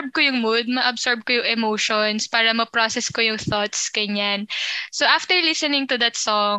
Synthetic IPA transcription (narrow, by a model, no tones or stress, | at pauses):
b̚kojʊŋmud̪̚mɐʔɐbsɔɹb̚kojʊŋɛmoːʃonspaːɾɐmɐpɹoːsɛskojʊŋθɔt̪skɐɲansoʔaft̪ɛɹlɪsɛnɪŋt̪ʊd̪ɐt̪sɔŋ